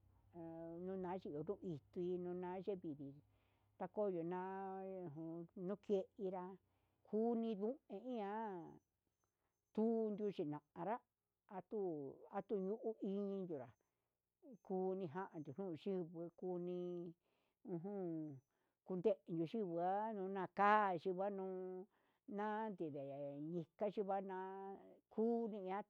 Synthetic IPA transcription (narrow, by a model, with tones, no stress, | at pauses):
nũ˦nã˨˦ʒi˧˦˨o˨nũ˦˧i˧t̪u˧i˧nũ˧˦nã˧˦ʒe˦βi˨βi˨ | t̪a˧ko˦˨jo˨nã˧˦˨ɦũ˧nũ˦ke˦ʔi˧ɾa˧ | kʰu˦nĩ˧ðũ˦ẽ˧ĩ˦ã˧˦ | t̪u˦˧nd̪u˧t͡ʃi˨nã˨ã˨ɾa˦ | a˧t̪u˦a˧t̪u˦ju˦ʔu˦i˧ɲĩ˧nd̪u˨ɾa˨ | kuː˦nĩ˧ɦa˦ʔã˨d̪u˨n̥ũː˦˨˧ʃi˦βɨ˧˦ku˦nĩ˧ | ũ˧ɦũ˦ | ku˧nd̪e˦ʔe˧nd̪u˧˨ʃi˦βɨ˧˨a˦nũː˧˦nã˧kaː˦˨˧ʃi˧βa˦nũː˦ | nã˦nd̪i˨ðe˨ɲĩ˧ka˦ʃi˧βa˦nã˧˦kʰuː˦nĩ˧ã˦